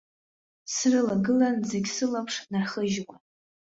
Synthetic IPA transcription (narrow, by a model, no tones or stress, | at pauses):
srɨlaɡɨlanzeɡʲsɨlapʰʂnarχəʒwa